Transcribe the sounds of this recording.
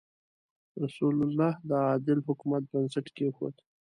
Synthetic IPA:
ɾasulʊlːɑhd̪əɑd̪ɪlhʊkumat̪̚bansɪʈkexo̰d̪

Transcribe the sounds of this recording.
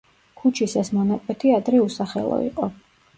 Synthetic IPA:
kʰut͡ʃʰisɛsmɔnakʼwɛt̪ʰiad̪ɾɛusaχɛ̰lˠɔ̰ḭqʼɔ

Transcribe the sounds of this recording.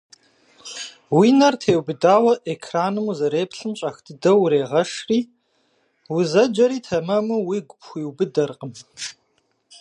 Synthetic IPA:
winɐrtʰeːwbɨdaːwɐʔekʰraːnɨmuzɐɾeːpɬɨmɕʼɐxtʰɨdɐwɾeːʁɐʂriː | wʊzɐd͡ʒɐɾiːtʰɐmɐmɨwiːɡʷʊpxʷiːwbɨdɐrqʼəm

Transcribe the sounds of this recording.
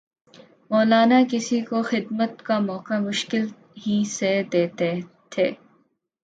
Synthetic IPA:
mɔːlaːnakɪsikoxɪd̪mət̪kamɔːkamʊʃkɪl | ɦised̪eːt̪e | t̪ʰeː

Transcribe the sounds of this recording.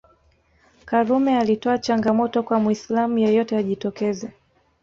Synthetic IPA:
kaɾumɛalitɔat͡ʃaŋɡamɔtɔkwamwislamujɔjɔtɛaʄitɔkɛzɛ

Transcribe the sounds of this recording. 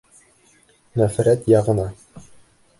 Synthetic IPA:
næfɾæt̪jɑʁɤ̆nɑ

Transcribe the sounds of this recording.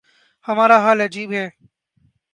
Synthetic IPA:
həmaːɾaːɦaːləd͡ʒiːbɦeː

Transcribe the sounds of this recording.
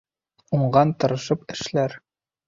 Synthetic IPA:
uɴɢɑnt̪ɤ̆ɾɤ̆ʃɤpɘ̆ʃlæɾ

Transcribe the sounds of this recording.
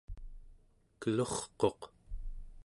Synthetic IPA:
kəloχqo̞q

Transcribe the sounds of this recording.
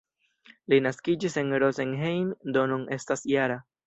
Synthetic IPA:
linaskid͡ʒise̞nɾozenɦejndo̞nune̞stasjaɾa

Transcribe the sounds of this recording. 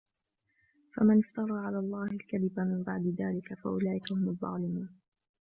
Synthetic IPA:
famanɪft̪ɑɾˤɑːʕalaːlˤːɑːhɪlkaðɪbamɪmbaʕd̪ɪðaːlɪkafa̰ʔʊlaːʔɪkahʊmʊðˤːɑ̰ːlɪmuːn

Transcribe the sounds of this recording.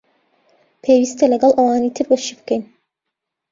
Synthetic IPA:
pʰeːwiːst̪ɐlɐɡɐlˠʔɐwaːniːt̪ʰɨɾwɐʃibɨ̥kɛjn

